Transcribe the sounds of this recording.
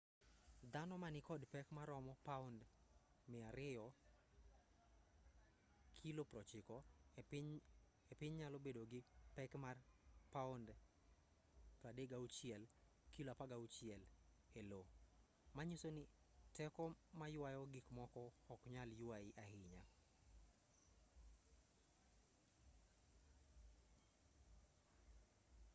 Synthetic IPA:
d̪anɔmanɪkɔdpɛkmaɾɔmɔpaʊnd | mɪaɾɪjɔ | kʰilopɾɔt͡ʃɪkɔɪɲ | epɪɲɲalɔbedoɡɪpɛkmarpaʊnd | pɾadeɡaut͡ʃɪɛl | kiloapaɡaut͡ʃɪɛl | elo | maɲusonɪ | tɛkɔmajʊwajɔɡɪkmɔkɔɔkɲaljuaɪʔahɪɲa

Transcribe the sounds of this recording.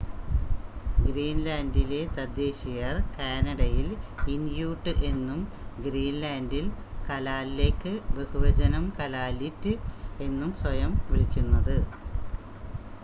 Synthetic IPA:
ɡɾiːnlaːndile̞t̪ɐd̪ːe̞ːɕijɐrkaːnɐɽɐjilindjuːʈːɨʔe̞nːum | ɡɾiːnlaːndilkɐlaːlileːkːɨbe̞huʋɐd͡ʑɐnɐmkɐlaːlitːɨe̞nːumswɐjɐmʋiɭikʲːunːɐðɨ

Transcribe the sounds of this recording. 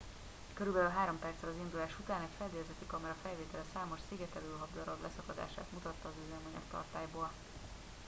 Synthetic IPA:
køɾybɛlylɦaːɾo̞mpɛrt̪sɛlɒzind̪ulaːʃut̪aːnɛcfɛld̪ejɛzɛt̪ːikɒmɛɾɒfɛlveːt̪ɛlɛsaːmo̞ʃsiɡɛt̪ɛløːlɦɒbd̪ɒɾɒblɛsɒkɒd̪a̰ːʃa̰ːt̪mut̪ɒt̪ːɒːzyzɛmɛɲɛ̰kt̪ɒ̰rt̪aːjboːl

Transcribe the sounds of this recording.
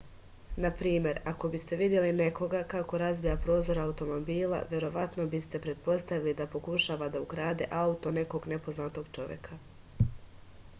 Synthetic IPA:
napɾiːmje̞ɾako̞bist̪e̞ʋid̪je̞line̞kʰo̞ɡakako̞ɾazbijapɾo̞ːzo̞ɾaut̪o̞mo̞biːla̰ʋje̞ɾo̞ʋat̪no̞bist̪e̞pɾe̞t̪̚po̞st̪aʋilid̪apo̞kuʃaːʋad̪auɡɾaːd̪e̞̰ʔaut̪o̞ne̞ko̞ɡne̞po̞znat̪o̞ɡ̥t͡ʃo̞ʋje̞̰kʰa

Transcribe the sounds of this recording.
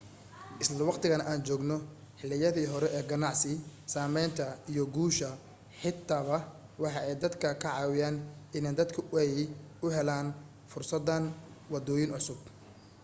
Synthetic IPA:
ʔɪslɐwɑqt̪ʰɪɣɐnɐʔaːnt͡ʃɔːɡnɔ | ħɪlːɪjɐðiːɦɔɾɛʔɛːɡɐnɑʕsɪsaːmɛjnt̪ʰɐijɔɡuːʃɐ | ħɪt̪ʰːaːβɐ | wɑħɑʔɛjd̪ɐd̪kʰɐkʰɐʕɑːwɪjaːnɪnɛːd̪ɐd̪kʰɐɛj | ʊɦɛlaːn | fʊrsɐd̪ɐn | wɑd̪ɔːjɪnʕʊsʊb̚

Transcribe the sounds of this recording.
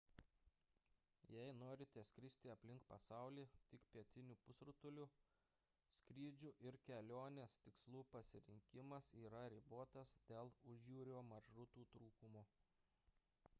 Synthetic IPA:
jɛɪnoːɾʲɪt̪ʲɛsʲkʲɾʲɪsʲt̪ʲɪɐpʲlʲɪŋkpɐsɑˑʊlʲiːt̪ʲɪkpʲiɛt̪ʲɪnʲuːpʊsɾʊt̪ʊlʲʊ | sʲkʲɾʲiːd͡ʒʲʊʔɪɾkʲɛlʲoːnʲest̪ʲɪkslˠuːpɐsʲɪɾʲɪŋʲkʲɪmɐsiːɾɐɾʲiboːt̪ɐsd̪ʲeːlˠʊʒʲjuːɾʲoːmɐʃɾʊt̪uːt̪ɾuːkʊmo

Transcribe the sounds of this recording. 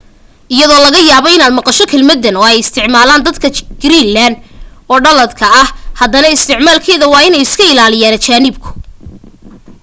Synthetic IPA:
ʔɪjɐðɔːlɐɣɐjaːβɔɪnaːd̪mɑqɑʃɔkʰɛlmɐd̪ːɐnɔːɛjɪst̪ʰɪʕmaːlaːnd̪ɐd̪kʰɐɡ̥ɪɾiːlːaːnd̪ɔːɖɐlɐd̪kʰɐɐhhɐd̪ɐnɐɪst̪ʰɪʕmaːlkʰɛːðɐwɑːɪnɛjɪskʰɐɪlaːlɪjaːnɐt͡ʃaːnɪbkʰʊ̥

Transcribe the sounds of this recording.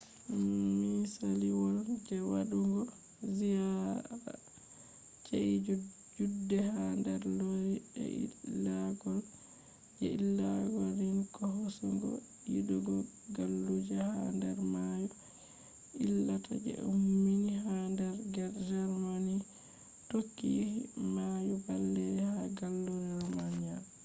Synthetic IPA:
misaliwɔld͡ʒɛwaɗuŋɡɔ | zijaɾa̰ | t͡ʃeʔi | d͡ʒudːɛhandɛɾloɾiɛ̰ḭlːaɡɔl | d͡ʒɛilːaɡɔlinkɔhosuŋɡɔ̰ | iduɡɔ | ɡalːud͡ʒahandɛɾmaju | ilːatʰa̰d͡ʒɛ̰ʔumːinihandɛɾɡɛɾd͡ʒɛɾmani | tokːijihimajubalːɛɛhaɡalːud͡ʒɛɾmanija

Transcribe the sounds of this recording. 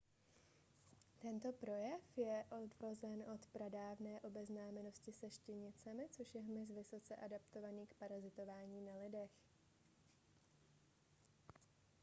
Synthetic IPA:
t̪ɛnt̪o̞pɾo̞jɛfjɛʔo̞dvozɛnʔo̞t̪pɾadaːvnɛːʔo̞bɛznaːmɛno̞scɪsɛʃcɪɲɪt͡sɛmɪt͡soʃjɛɦmɪz̬vɪso̞t͡sɛʔadapt̪o̞vaniːkpaɾazɪt̪o̞vaːɲiːnalɪdɛx

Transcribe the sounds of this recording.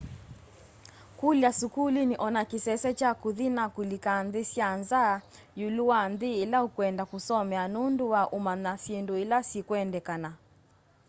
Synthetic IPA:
kuljasukuliniʔɔnakisɛsɛt͡ʃakuðinakulikanðisjanza | juluwanðiːlahukwɛndakusɔmɛanunduwaʔumanasinduilasikwɛndɛkana

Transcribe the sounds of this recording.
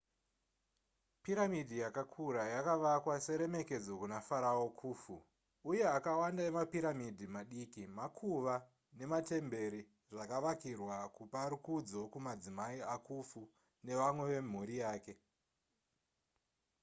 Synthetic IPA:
piɾamidʱijakakʰuɾajakaʋakwase̞ɾe̞me̞ke̞d͡zo̞kunafaɾaokʰuːfuː | je̞akawandaemapiɾamidʱimaɗiːkimakʰuʋa | ne̞mate̞mbe̞ɾi | ʐakaʋakirwakupaɾukud͡zo̞kumad͡zimaiakʰufu | ne̞ʋamwe̞ʋe̞m̤uɾijaːke̞

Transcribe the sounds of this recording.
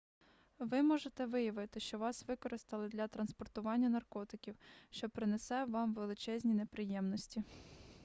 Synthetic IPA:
ʋɪmɔʒet̪ɛʋɪjɐʋɪt̪ɪʃt͡ʃɔʋɑsʋɪkɔɾɪst̪ɐlˠɪd̪lʲɐt̪ɾɐnspɔrt̪ʊʋɑnʲːɐnɐrkɔt̪ɪkʲiwʃt͡ʃɔpɾɪnesɛʋɑmʋelˠɪt͡ʃɛzʲnʲinepɾɪjɛmnɔsʲtʲi

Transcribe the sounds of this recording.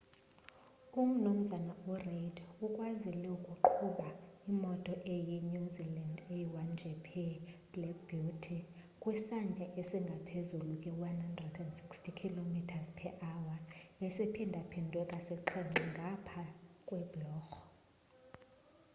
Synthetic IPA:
um̩num̩zanauredukʼwazilɛukʼuǃʰuɓaimɔtʼɔʔejɛɲuzilandejiwand͡ʒʱɛpʰɛb̥lɛk̚ʰbutʰi | kʼwisand͡ʒʱaʔesiŋɡʱapʰezulukʼɛwanhandrɛdɛndsikstʰikʰilomitʰazpʰɛʔawaesipʰindʱapʰindʱwɛkʼasɛǃʰɛŋiŋɡʱapʰakʼwɛblɔːxɔ̥

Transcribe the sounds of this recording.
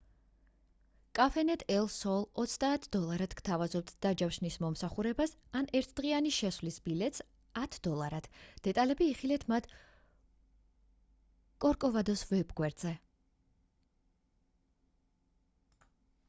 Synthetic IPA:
kʼafɛnɛt̪ʰɛlˠsɔlˠɔt̪sʰd̪aːt̪ʰd̪ɔlˠaɾad̪̥kt̪ʰavazɔp̚t̪ʰd̪̥ad͡ʒafʃnismɔmsaχuɾɛbasanɛɾt̪ʰd̪̥ʁianiʃɛsvlisbilɛt̪ʼs | at̪ʰd̪̥ɔlˠaɾad̪̥d̪̥ɛt̪ʼalɛbiːχilɛt̪ʰmat̪ʰ | kʼɔɾkʼɔvad̪ɔsvɛbɡwɛɾd̪zɛ

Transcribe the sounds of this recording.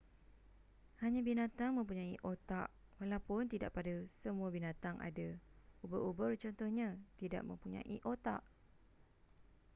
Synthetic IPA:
haɲãbinat̪aŋmə̃mpuɲãiʔot̪aʔwalawpʊnt̪idaʔpadasəmũabinãt̪aŋʔa̰daubəʔubərt͡ʃɔnt̪ɔhɲãt̪ida̰ʔmə̃mpuɲã̰ʔḭʔot̪a̰ʔ

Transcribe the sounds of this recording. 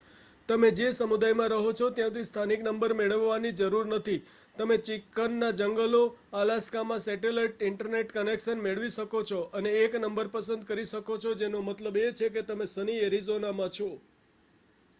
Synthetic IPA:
t̪əmed͡ʒesəmud̪ajmãɾəɦot͡ʃʰɔt̪jãt̪ʰist̪ʰaniknəmbəɾmeɭəʋːanid͡ʒəɾuɾnət̪ʰi | t̪əmet͡ʃikːənːad͡ʒəŋɡəloalaskamãsɛʈeləʈɪɳʈəɾneʈkənekʃənmeɭʋiʃəkot͡ʃʰɔʔəneːknəmbəɾpəsə̃nd̪̚kəɾiʃəkot͡ʃʰod͡ʒenomət̪ləbet͡ʃʰeket̪əmesənieɾizonamãt͡ʃʰɔ

